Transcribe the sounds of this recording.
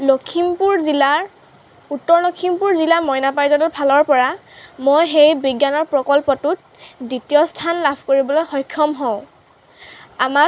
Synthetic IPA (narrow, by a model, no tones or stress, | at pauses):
lokʰimpuɹzilaɹ | utːɔɹlokʰimpuɹzilamɔjnapajzɔnɔpʰalɔɹpɔɹa | mojxejbiɡjanɔɹpɹɔkɔlpɔtut̚ | ditijɔstʰanlabʱkoɹibɔlojxɔjkʰːɔmɦɔ̃ʊ̃ | ama